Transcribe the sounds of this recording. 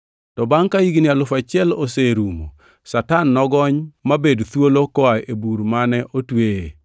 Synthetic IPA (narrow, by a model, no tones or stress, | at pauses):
tɔbaŋkaiɡnɪalʊfat͡ʃɪɛloseɾumo̰ | satanːɔɡɔɲmabedt̪wolokɔaebuɾmanɛʔotwee